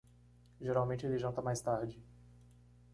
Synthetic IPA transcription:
ʒeɾawmẽnt͡ʃɪelɪʒɐ̃nt̪ɐmajst̪aɾd͡ʒɪ

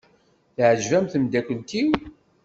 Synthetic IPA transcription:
θʕəʒvæmθəmd̪ækʷənt̪iw

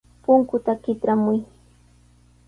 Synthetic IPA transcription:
pʊŋkʊt̪akɪt̪ɾamʊj

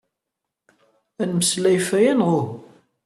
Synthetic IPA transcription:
ænməslæjfæjænʁʊ

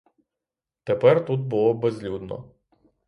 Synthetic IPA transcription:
t̪epɛrt̪ut̪̚bʊlˠɔbezlʲud̪nɔ̰

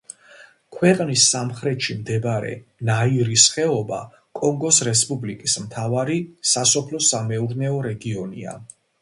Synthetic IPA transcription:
kʰwɛqʼnisːamχɾɛt̪ʃimd̪ɛbaɾɛ̰naiɾisχɛɔba̰ | kʼɔŋɡɔsɾɛspʼublikʼismt̪ʰavaɾisasɔpʰlɔsamɛuɾnɛɔɾɛɡiɔnḭa̰

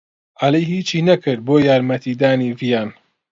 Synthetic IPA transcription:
ʔɐlejhiːt͡ʃiːnɐkɨɾd̪̚boːjaːɾmɐt̪ʰiːd̪aːniːvijaːn

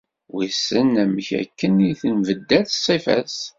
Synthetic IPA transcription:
wisənæməçæ̰kːəniθənvəd̪ːæθsˤifæ̰s

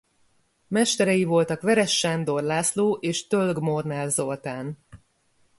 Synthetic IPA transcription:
mɛʃt̪ɛɾɛjivo̞lt̪ɒkʋɛɾɛʃːaːnd̪o̞rlaːsloːʔeːʃt̪ølɡmornɛlzo̞lt̪aːn

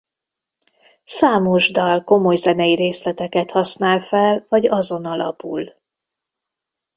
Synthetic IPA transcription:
saːmo̞ʒd̪ɒlko̞mo̞jzɛnɛjiɾeːslɛt̪ɛkɛt̪hɒsnaːlfɛlvɒɟɒzo̞nɒlɒ̰pul

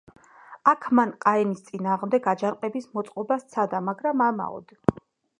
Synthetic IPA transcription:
akʰmanqʼaɛnist̪sʼinaːʁmd̪ɛɡad͡ʒanqʼɛbismɔt̪sʼqʼɔbast̪sʰad̪amaɡɾamama̰ɔ̰d̪

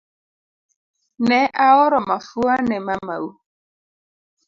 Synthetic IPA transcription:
nɛʔaɔɾɔmafuanɛmama̰u

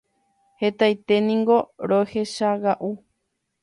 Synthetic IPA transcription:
he̞t̪ajt̪e̞nĩŋɡo̞ɾohe̞ʃaɡaʔu

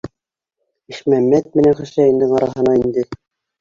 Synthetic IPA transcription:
iʃmæmːæt̪̚mɘ̆næŋχɘ̆ʃæjĭnd̪ɘŋɑɾɑɦɤ̆nɑind̪ɘ

